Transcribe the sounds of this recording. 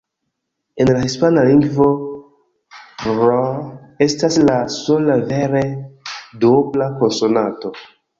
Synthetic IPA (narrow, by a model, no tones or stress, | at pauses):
e̞nlahispanaliŋɡvo̞ | pɾoe̞staslasolaveɾedoblako̞nsonato̞